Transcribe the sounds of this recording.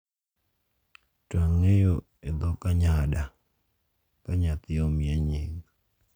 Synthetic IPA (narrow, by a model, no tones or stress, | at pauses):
twaŋːejo | ed̪ɔkaɲada | kaɲat̪ɪomjeɲiŋ